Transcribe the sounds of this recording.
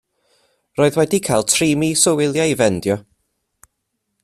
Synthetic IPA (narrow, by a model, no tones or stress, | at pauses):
roːɨðwɛdikʰalˠtʰriːmisɔwɪlˠjaivɛndjɔ